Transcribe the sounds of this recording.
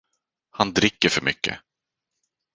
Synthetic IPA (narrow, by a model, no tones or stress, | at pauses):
hand̪ɾɪkːəɾfœɾmʏkːə̰